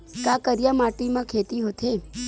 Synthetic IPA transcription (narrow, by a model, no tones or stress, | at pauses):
kakəɾjamaʈimãkʰet̪iɦot̪ʰe